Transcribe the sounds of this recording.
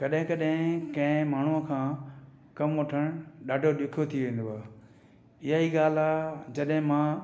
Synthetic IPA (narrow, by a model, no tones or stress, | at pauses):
kɐɗɦɪ̃kɐɗɦɪ̃kɐ̃ɦɪ̃maːɳ̤uəkʰãː | kɐmoʈʰəɽ̃ɗaːɖʱoɗɪkʰot̪ʰiʋẽːn̆d̪oaː | ɪɦaiːɠaːl̤ad͡ʑɐɗɦɪ̃mãː